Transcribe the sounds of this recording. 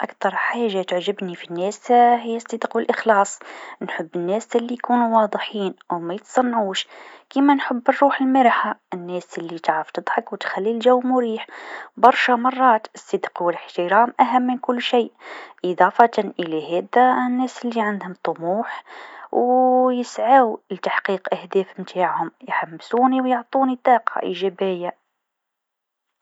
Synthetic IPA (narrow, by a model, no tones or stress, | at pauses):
ʔakt̪ɑɾˤħaːʒːat̪əʕʒəbnifinːæshəjːæsˤːid̪qwəlʔəxlɑːsˤnħəbːənːæsælːijkunuwɑd̪ˤħiːnʔwmæjət̪sˤɑnːʕuːʃkimænħəbːərˤːuːħəlməɾħaənːæːsəlːit̪aʕɾəft̪əd̪ˤħɑkwt̪xælːilʒæwːmʊɾiːħbɑɾˤʃamɑrˤːɑːt̪əsˤːəd̪qwələħt̪əɾɑːmʔæɦæmːənkʊlːʃiːʔʔɨd̪ˤɑːfɑt̪ɑnʔəlæɦæːd̪ænːæːsəlːiʕand̪hʊmt̪ˤomuːħwjəsʕawlt̪aħqiːqʔæhd̪æːfmt̪ʰaːʕhʊmjħamːsuːniwjoʕt̪ˤuːnit̪ˤɑːqɑ̰ʔiʒæbɪjːa